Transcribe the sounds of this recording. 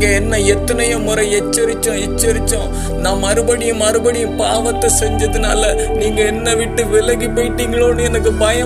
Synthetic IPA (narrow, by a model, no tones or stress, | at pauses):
ɡɐɛnːɐɛt̪ːɐnɐjɐmʊɾɐɛt͡ʃːɐɾɪt͡ʃːõɛt͡ʃːɐɾɪt͡ʃːõ | nãːmːɐɾɯbɐɽɪjɯ̃mɐɾɯbɐɽɪjɯ̃paːʋɐt̪ːɐsɛɲd͡ʒɐðɯna̰ːlɐ | niːŋɡɐɛnːɐʋɪʈːɯʋɪlɐɣipoːjɪʈːiːŋɡɐɭoːɳɯɛnɐkːɯbɐjɐ